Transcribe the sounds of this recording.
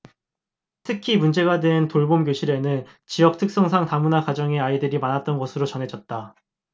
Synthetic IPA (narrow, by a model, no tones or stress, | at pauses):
tʰɯkʰimund͡ʑe̞ɡadwe̞ntoɭbomɡjoɕʰiɾe̞nɯn | t͡ɕijʌk̚tʰɯk̚s͈ʌŋsʰaŋtamunakad͡ʑʌŋe̞aidɯɾimanat̚t͈ʌnɡʌsʰɯɾot͡ɕʌnɦe̞d͡ʑʌt̚t͈a